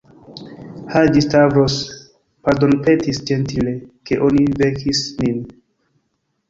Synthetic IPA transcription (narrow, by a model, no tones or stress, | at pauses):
had͡ʒistavɾos | paɾdonpe̞tisd͡ʒe̞ntile̞ke̞ʔo̞nivekʰisnin